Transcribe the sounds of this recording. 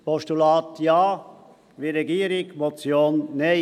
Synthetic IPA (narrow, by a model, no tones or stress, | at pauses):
pɔʃtulɑːt̪jɑː | ʋiːɾeɡiːɾɪɡmot͡sjoːnːe